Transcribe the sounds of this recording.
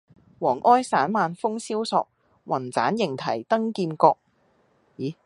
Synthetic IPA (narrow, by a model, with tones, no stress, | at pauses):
wɔː˨˩ŋʔɔː˥jsaː˨˥nmaː˨˧nfʊ˥ŋsiː˥wsɔː˧k̚ | wɐ˨˩nt͡sa̰ː˨˥njɪ˨˩ŋt̪ʰɐ˨˩jt̪ɐ˥ŋkiː˧nkɔː˧k̚ | jiː˨˩